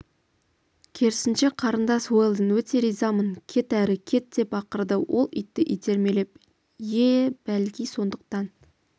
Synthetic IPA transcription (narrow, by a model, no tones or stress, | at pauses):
kʲʰe̞ɾɪsɪnʃe̞qʰɑɾənd̪ɑswo̞jlˠd̪ənwɵt̪ʰe̞ɾijzɑmənkʲʰe̞t̪æɾɪkʲʰe̞t̪̚d̪e̞pɑqəɾd̪əwʔo̞̰lˠʏ̰jt̪ːɪʔijt̪ʰe̞ɾme̞lep̚ | jeb̥ælkʲijso̞nd̪əq̚t̪ɑn